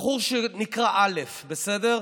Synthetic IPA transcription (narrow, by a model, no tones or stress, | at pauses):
χuʁʃenikʁaʔalefbesede̞ʁ